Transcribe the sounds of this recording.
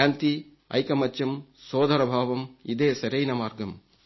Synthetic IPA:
aːnt̪i | ɐ̰jkɐmɐt͡ʃːjɐmsoːd̪ɐɾɐbʱaːʋɐmid̪eːsɐɾɐjnɐmaːɾɡɐm

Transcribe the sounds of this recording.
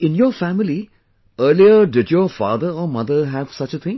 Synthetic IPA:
ɪ̃njɔːfæmɪli | əːliəɖɪdjɔːfa̰ːd̪əɾɔːmʌd̪əɦæʋsʌt͡ʃət̪ʰɪ̃ŋ

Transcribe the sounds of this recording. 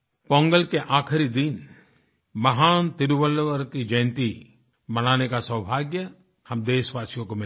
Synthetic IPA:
pɔ̃ːŋɡəlkeʔaːkʰɪɾid̪in | mɐɦaːnt̪ɪɾwəlʋəɾkid͡ʒɐ̃j̃nt̪i | mɐñaːnekasəwbʱaːɡjə | hɐmd̪eːʃʋaːsijõkomɪl

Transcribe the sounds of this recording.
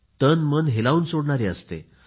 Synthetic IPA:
t̪ənmənɦelauːnsoɽɳaɾeəst̪ḛ

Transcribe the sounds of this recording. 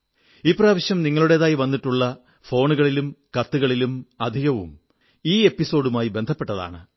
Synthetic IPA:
ipːraːʋɐɕjɐmniŋːɐɭuɽe̞ðaːjiʋɐnːiʈːuɭːɐ | fo̞ːɳuɣɐɭilumkɐt̪ːuɣɐɭilumɐd̪ʱiɣɐʋṵm | iːe̞pːiso̞ːɽumaːjibe̞nd̪ʱɐpːeʈːɐða̰ːɳɨ

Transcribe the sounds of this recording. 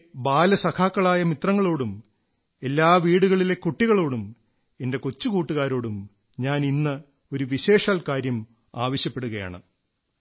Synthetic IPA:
baːlɐsɐkʰaːkːɐɭaːjɐmit̪rɐŋːɐɭo̞ːɽum | e̞lːaːʋiːɽuɣɐɭile̞kːuʈːiɣɐɭo̞ːɽum | e̞nde̞kot͡ɕːukuːʈːuɣaːɾo̞ːɽum | ɲaːninːɐ | o̞ɾuʋiɕe̞ːʂaːlkaːɾjɐm | aːʋɐɕjɐpːe̞ɽuɣɐja̰ːɳɨ̰

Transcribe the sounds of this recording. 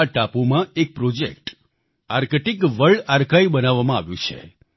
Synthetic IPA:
aʈapumãek̚pɾod͡ʒekʈ | aɾkeʈikʋəɭaɾkaibənaʋːamãa̰ʋjṵ̃t͡ʃʰḛ

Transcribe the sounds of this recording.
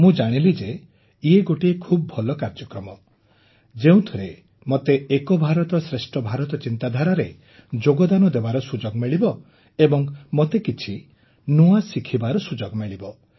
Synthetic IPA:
mũd͡ʒaɽ̃ilid͡ʒe | ieɡoʈiekʰubɔbʱɔlɔkaɾd͡ʒɔkɾɔmɔ | d͡ʒeũt̪ʰuɾe | mot̪eːkɔbʱaɾɔt̪ɔsɾesʈɔbʱaɾɔt̪ɔt͡ʃint̪ad̪ʱaɾaɾe | d͡ʒoɡɔd̪anɔd̪ebaɾɔsud͡ʒoɡmeɭibɔ | ebɔŋmot̪ekit͡ʃʰi | nuasikʰibaɾɔsud͡ʒoɡmeɭibɔ

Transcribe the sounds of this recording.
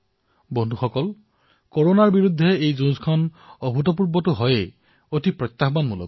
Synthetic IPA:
bɔndʱuxɔkɔl | kɔɹonaɹbiɹud̪ʱːɛejzunskʰɔnɔbʱutɔp̬uɹbɔtʊɦɔjɛ | otipɹɔt̪ːaxbanmulɔ̰

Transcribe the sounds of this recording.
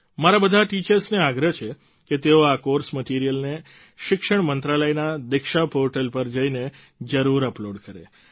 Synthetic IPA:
maɾabəd̪ʱaʈit͡ʃəɾsneaɡɾət͡ʃʰe | ket̪eoakoɾsməʈiɾijəlne | ʃɪkʃəɳ̃mənt̪ɾaləjnad̪ɪkʃapoɾʈəlpəɾd͡ʒəine | d͡ʒəɾuɾəploɖkəɾḛ

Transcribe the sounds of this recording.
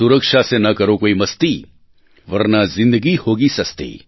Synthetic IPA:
uɾəkʃasenɐkɐɾokoːimɐst̪i | ʋɐɾnazɪ̃nd̪əɡihoːɡisɐst̪ḭː

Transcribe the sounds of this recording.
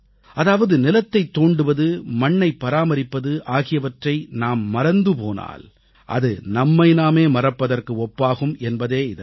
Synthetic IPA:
ʔɐðaːʋɐðɯnɪlɐt̪ːɐɪt̪ːoːɳɖɯʋɐðɯmɐɳːɐɪpːɐɾaːmɐɾɪpːɐðɯʔaːɣɪjɐʋɐʈrɐɪnaːmːɐɾɐnd̪ɯpoːna̰ːl | ʔɐ̰ðɯnɐmːɐɪnaːmeːmɐrɐpːɐðɐrkɯɔpːaːɣɯmʔɛnbɐðeːɪðɐ̰

